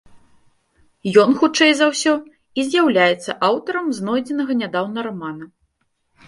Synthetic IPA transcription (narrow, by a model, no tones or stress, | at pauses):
jɔnxut͡ʂɛjzawsʲɔ | izʲjawlʲajɛt̪sːɐʔawt̪ɐɾɐmznɔjd͡zʲɛnɐɣɐnʲad̪awnɐɾamanɐ